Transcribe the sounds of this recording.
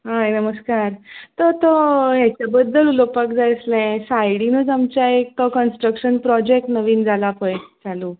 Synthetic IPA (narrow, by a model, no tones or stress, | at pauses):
ɦaɦenəməskaɾt̪ət̪ɔɦat͡ɕjabəd̪ʱːəlulopakd͡zajəslɛ̃sajɽinud͡zamt͡ɕjaek̚təkənsʈɾəkɕənpɾɔd͡ʑek̚ʈnəʋiːnd͡zʱalapəjd͡zalu